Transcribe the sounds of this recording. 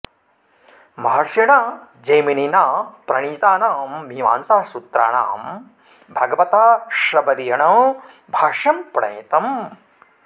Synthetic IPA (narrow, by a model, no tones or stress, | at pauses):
mɐɦɐɾsjɐɳa | d͡ʒɐjmininaːpɾɐɳ̃iːt̪aːnaːmbiʋa̰ːnsaːsut̪ɾa̰ːɳa̰ːm | bʱɐɡɐʋɐt̪aːʃɾɐbɐɾijɐɳɐw | bʱaːʂjɐmpɾɐ̰jit̪ɐm